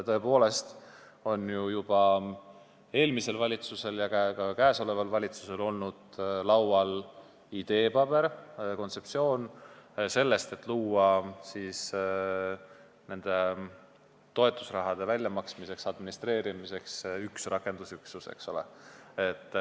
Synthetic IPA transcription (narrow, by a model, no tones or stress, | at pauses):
t̪ɤ̞e̞po̞ːle̞st̪ | o̞njujub̥ɑ | e̞ːlmise̞lvɑlʲit̪suse̞ljɑkækɑkæːso̞le̞vɑlvɑlʲit̪suse̞lo̞lnud̪̥lɑwwɑl | id̪̥e̞ːpɑb̥e̞ɾko̞nt̪se̞p̚tsio̞ːnse̞lːe̞st̪e̞t̪ːluːɑsiːs | ne̞nd̪̥e̞ | t̪o̞e̞t̪ːˑu̥srɑɦɑd̪̥e̞vælʲjɑmɑksmise̞ksɑd̪minist̪re̞ːɾimise̞ksyksrɑke̞nd̪̥usyksuse̞̰kso̞le̞̰et̪ː